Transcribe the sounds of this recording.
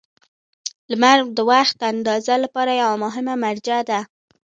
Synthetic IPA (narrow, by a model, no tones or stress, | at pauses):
lmaɾɡd̪əwaxt̪̚d̪and̪ɑzalapɑɾajawamʊɦɪmamaɾd͡ʒad̪a